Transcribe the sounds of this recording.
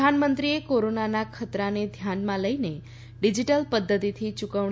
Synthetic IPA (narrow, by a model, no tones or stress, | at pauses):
anmənt̪ɾiekoɾonanakʰət̪ɾaned̪ʱjanmãləine | ɖid͡ʒiʈəlpəd̪ːət̪it̪ʰit͡ʃukəʋ